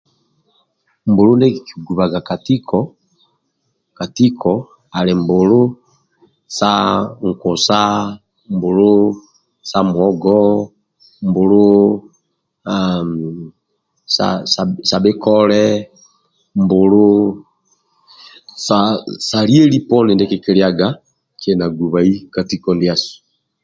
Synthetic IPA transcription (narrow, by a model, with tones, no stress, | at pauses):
m˨bo˨ɾu˦nde˦kki̥˨ɡu˨βa˨ɡa˨ka˨ti˦kʰɔ˨ | ka˨ti˦kʰɔ | a˨le˨m˨bo˨lo˦ | sa˦ŋ̩˨kʊ˨sa˦ | m˨bo˨lo˦ | sa˦mwɔ˦ɡɔ˦ | mbo˨lo˦ | a | sa̰sa˨sa˨be˦kɔ˦lɛ˦ | mbʊ˨lo˦ | sasa˨li˦e˦li˦pɔ˦nɪ˨nde˦kɪ˦ki˦ɾja˦ɡa˨ | kɛ˨na˨ɡu˨βa˨i˦ka˨ti˦kɔ˦ndi˨a˨su̥˨